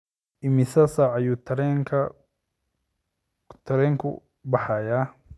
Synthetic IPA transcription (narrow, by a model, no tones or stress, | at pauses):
ɪmɪsɐsaʕɐjuːt̪ʰɾŋkʰɐ | t̪ʰɐɾɛːŋkʰʊ̰ | bɐħɑjaː